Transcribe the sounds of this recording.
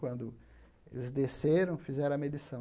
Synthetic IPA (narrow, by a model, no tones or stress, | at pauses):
kwɐ̃nd̪ʊ | ḛlɪzd̪eseɾɐ̃w̃fizɛɾɐ̃ɐmed̪isɐ̃w̃